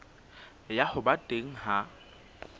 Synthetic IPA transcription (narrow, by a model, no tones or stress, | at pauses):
jahʊbatʼeŋ̩ɦa